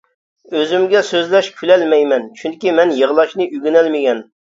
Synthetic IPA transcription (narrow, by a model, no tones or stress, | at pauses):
øzymɡʲɛsøzlɛʃkʲʰylɛlmɛjmɛnt͡ʃʰyŋkʲimɛnjəʁlˠɑʃnɨʔyɡʲynɛlmɪɡʲɛn